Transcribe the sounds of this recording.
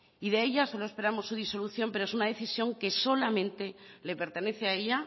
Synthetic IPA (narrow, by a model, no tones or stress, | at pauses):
iðe̞eʎaso̞loe̞spe̞ɾamo̞sːuð̞iso̞luθjo̞mpe̞ɾoe̞sunað̞e̞θisjo̞ŋke̞so̞lamẽ̞nt̪e̞le̞pe̞ɾt̪e̞ne̞θeae̞ʎa